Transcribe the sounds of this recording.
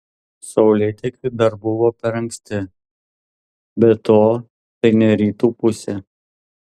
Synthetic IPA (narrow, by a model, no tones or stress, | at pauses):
sɒʊlʲɛt̪ʲɛkʲɪd̪ɐɾbʊʋoːpʲɛɾɐŋksʲt̪ʲɪ | bʲɛt̪oː | t̪ɐɪnʲɛɾʲiːt̪uːpʊsʲɛ